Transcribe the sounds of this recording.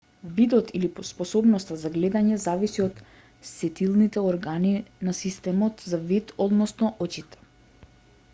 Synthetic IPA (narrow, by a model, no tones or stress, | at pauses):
vid̪ɔt̪ilipɔspɔsɔbnɔst̪azaɡlɛd̪aɲɛzavisiɔt̪ | sɛt̪ilˠnit̪ɛɔɾɡaninasist̪ɛmɔt̪zavit̪ɔd̪nɔsnɔʔɔt͡ʃit̪ɛ̥